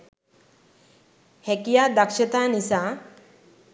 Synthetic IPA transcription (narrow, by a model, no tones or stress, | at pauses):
hɛkijaːd̪akʃet̪aːnisaː